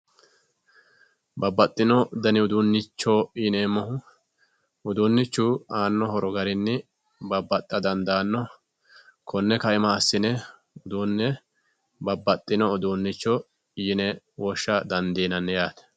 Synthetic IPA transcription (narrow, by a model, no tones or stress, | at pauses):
bɐbːɐt̪ʼːɪnɔd̪ɐnɪʊd̪unːɪt͡ʃːoːneːmːɔhʊ | ʊd̪unːɪt͡ʃːuːaːnːɔhɔɾɔɡɐɾɪnːɪ | bɐbːɐt̪ʼːɐd̪ɐnd̪aːnːɔ | kʰɔnːɛkɐɪmaːsːɪnɛ | ʊd̪uːnːɛ | bɐbːɐt̪ʼːɪnɔːd̪uːnːɪt͡ʃːɔ | nɛ | wɔʃːɐd̪ɐnd̪iːnɐnːɛjaːt̪ɛ̥